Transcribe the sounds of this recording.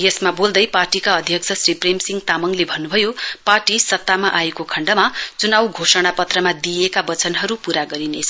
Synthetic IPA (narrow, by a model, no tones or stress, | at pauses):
jesmabold̪ʌjparʈikaʌd̪ʱjʌk̚t͡sʰʌsripremsiŋɡt̪amʌŋlebʱʌnːubʱʌjoparʈisʌt̪ːamaʔaekokʰʌɳɖʌmat͡sunawɡʱosʌɽ̃apʌt̪rʌmad̪ijekabʌt͡sʌnɦʌɾupuɾaɡʌɾinet͡sʰʌ